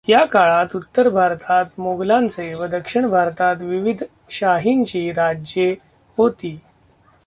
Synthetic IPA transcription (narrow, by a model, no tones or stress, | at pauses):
jakaɭat̪ut̪ːəɾbʱaɾt̪at̪moɡlãnt͡seʋəd̪əkʂiɳbʱaɾt̪at̪ʋiʋid̪ʱ | ɕaɦint͡ɕiːɾad͡ʑje | ɦot̪iː